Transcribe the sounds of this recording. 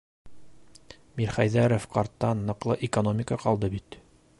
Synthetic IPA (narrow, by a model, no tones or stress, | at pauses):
miɾχæjðæɾofqɒɾt̪ːɑnːɤ̆qlˠɤʔɪkonomʲɪkəqɒlˠd̪ɤbit̪